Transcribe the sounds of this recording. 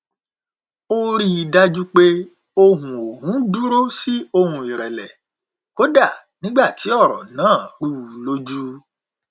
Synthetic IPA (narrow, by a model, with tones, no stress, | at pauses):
o˦ɾi˦i˧da˦d͡ʒu˦k͡pe˦ | o˧ɦũ˨o˨hũ˨˦du˦ɾo˦si˦o˧hũ˧i˨ɾɛ˨lɛ˨ | ko˨˦da˦˨ | nĩ˨˦ɡ͡ba˦˨ti˨˦ɔ˦˨ɾɔ̰˨nãː˨˦˨ɾu˦˨lo˦d͡ʒu˦